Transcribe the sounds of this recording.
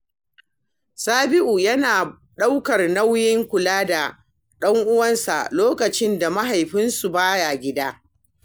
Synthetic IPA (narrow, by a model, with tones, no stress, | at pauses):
saː˦bɪ˦ʔu˨jɐ˦naː˨ | ɗa˦wkɐ˨rna˦wjɪ˦ŋkʷʊ˨laː˦da˨ | ɗɐ˦ŋʔʊ˦wɐ˦nsa̰˨loː˦kɐ˨t͡ʃɪ˦nda˨ma˦ɦa˨jɸɪ˦nsu˨baː˦ja˨ɡʲɪ˦daː˦